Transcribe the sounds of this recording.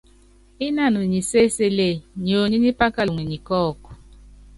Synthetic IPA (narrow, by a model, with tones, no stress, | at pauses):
i˦na˦˨nu˨ɲi˨se˦se˦le˦˨ɲo˨ɲi˦ɲi˦pa˦ka˦˨ŋʷi˨ɲi˨kɔː˦˨ku̥˨